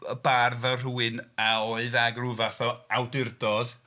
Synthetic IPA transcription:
əbarðar̥uɨnaoɨðaɡruvaθɔawdɪrdɔd̥

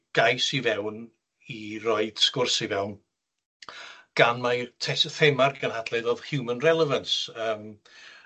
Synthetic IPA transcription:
ɡ̥ajsivɛwn | irɔɨd̥skʊrsivɛwn | ɡ̥anmatʰɛsθɛmarɡənhadlˠɨðɔðhjumənrɛlˠɛvənsəːm

